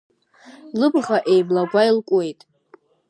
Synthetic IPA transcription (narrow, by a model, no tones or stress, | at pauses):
lɨbʁaʔejblaɡʷajlkʷʼwe̞jtʼ